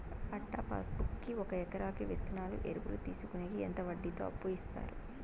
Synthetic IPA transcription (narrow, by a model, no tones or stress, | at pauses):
ɐʈːa̰ːpʰa̰ːsbukːiɔkɐɛkɐɾaːkiʋet̪ːinaːlṵʔeɾuɡuɾut̪iːsukuneɡient̪ɐʋɐɖːit̪o̰ːɐpːuist̪a̰ːɾu